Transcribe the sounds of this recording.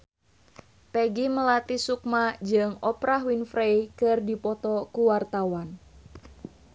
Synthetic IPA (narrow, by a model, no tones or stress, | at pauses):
peɡiməlat̪isukmad͡ʒɨŋɔpɾaɦwinfɾejkɨrdipɔt̪ɔkuwart̪awan